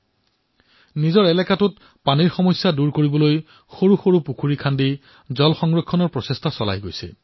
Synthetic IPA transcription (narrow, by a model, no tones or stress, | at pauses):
nizɔɹɛlɛkatut | paniɹxɔmɔjsjaduɹkoɹibɔloj | xoɹuxoɹupukʰuɹikʰandi | zɔlxɔŋɹɔkʰːɔnɔɹpɹɔsestʰasɔla̰jɡojsɛ̰